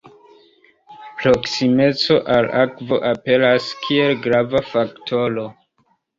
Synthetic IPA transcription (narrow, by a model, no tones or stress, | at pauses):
pɾoksime̞t͡so̞ʔalakvo̞̰ʔape̞laskʰie̞lɡɾavafaktʰo̞lo